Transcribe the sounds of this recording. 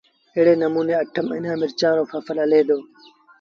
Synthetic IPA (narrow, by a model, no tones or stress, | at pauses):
eːɽeːnəmuːneːəʈʰəmɪ̰nãːmɪɾt͡ʃãːɾoːfəfələleːd̪oː